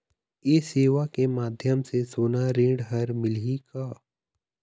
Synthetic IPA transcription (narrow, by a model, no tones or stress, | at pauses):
jeːseːʋakemaːd̪ʱjəmsesoːnaɾẽːɽɦəɾmɪlɦikaː